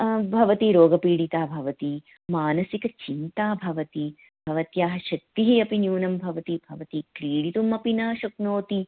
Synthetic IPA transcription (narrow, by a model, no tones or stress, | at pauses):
bʱɐʋɐt̪iɾoːɡɐpiːɽit̪aːbʱɐʋɐt̪i | maːnɐsikɐt͡ʃint̪aːbʱɐʋɐt̪i | b̥ʱɐʋɐt̪jaːɦɐʃɐk̚t̪iɦiɐpinjuːnɐmbʱɐʋɐt̪ibʱɐʋɐt̪ikɾiːɽit̪umɐpinɐʃɐknoːt̪i